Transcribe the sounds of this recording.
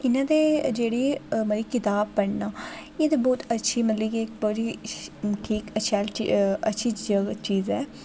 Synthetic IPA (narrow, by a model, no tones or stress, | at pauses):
ɪnãːd̪eːd͡ʒeːɽiːməɾiːkɪt̪aːbːəɳnaːeːd̪ebɔːt̪ətːʃʰiːmət̪liːɡik̚boːd͡ʒ̪iːʈʰiːkətːʃʰaːlətːʃʰiːd͡ʒəɡt͡ʃiːzɛː